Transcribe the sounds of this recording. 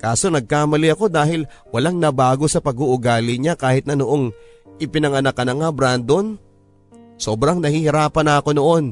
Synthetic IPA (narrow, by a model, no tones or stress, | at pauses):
kaːso̞nɐɡ̚kaːmɐlɪɐko̞d̪aːhɪl | wɐlaŋnɐbaːɡo̞sɐpɐɡuʔʊɡaːlɪɲakaːhɪt̪nɐnoʔo̞ŋ | ʔɪpɪnɐŋɐnɐkːɐnɐŋabɾand̪o̞n | so̞ːbɾɐŋnɐhihɪɾaːpɐnaːko̞no̞ʔo̞n